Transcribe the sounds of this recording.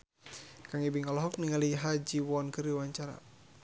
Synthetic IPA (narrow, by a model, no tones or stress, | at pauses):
kaŋibiŋalɔɦɔk̚niŋaliɦad͡ʒiwɔnkɨriwaɲt͡ʃaɾa̰